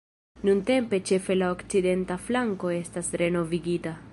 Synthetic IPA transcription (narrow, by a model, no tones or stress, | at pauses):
nunte̞mpe̞t͡ʃe̞fe̞laokt͡side̞ntaflaŋko̞e̞stasɾe̞no̞viɡita